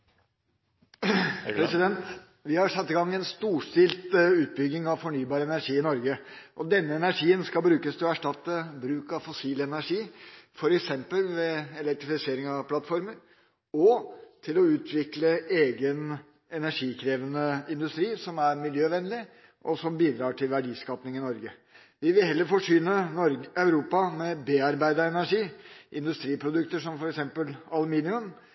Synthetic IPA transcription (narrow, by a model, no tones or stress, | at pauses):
pɾɛsɪd̪ɛnt̪ | ʋɪhɑɾʂɑt̪ːɪɡɑŋːɛnst̪uːʂt̪ɪlt̪ʉːt̪̚bʏɡ̪ɪŋɑʋfɔɳyːbɑːɾəɛnæɾʂiːɪnɔɾɡəʔɔd̪ɛnːəɛnæʂiːənskɑlbɾʉːkəst̪ʰɪlɔæʂʈɑt̪ːəbɾʉːkɑʋfɔsiːlɛnæʂiːfɔɾɛksɛmpəlʋɛɛlɛk̚t̪ɾɪfɪseːɾɪŋɑʋpʰlɑt̪ːfɔɾməɾ | ɔt̪ʰɪlɔʉːt̪ʰʋɪkləeːɡən | ɛnæʂiːkʰɾeːʋənəɪnd̪ʉst̪ɾiːsɔmæɾmɪljøːʋɛnːlɪ | ʔɔsɔmbiːd̪ɾɑːʈʰɪlʋæɖiːskɑːpnɪŋɪnɔɾɡə | ʋɪʋɪlɦɛlːəɾfɔʂyːnənɔɾɑʉɾuːpɑmɛbeːɑɾbæɪd̪əɛnæʂiːʔɪnd̪ʉst̪ɾiːpʰɾʊd̪ʉkt̪əʂɔmfɔɾɛksɛmpəlɑlʉmiːnɪʉm